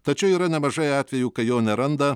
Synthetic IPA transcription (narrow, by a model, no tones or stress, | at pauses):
t̪ɐt͡ʃʲɛʊiːɾɐnʲɛmɐʒɐɪɑːt̪ʲʋʲɛjuːkɐjoːnʲɛɾɐnd̪ɐ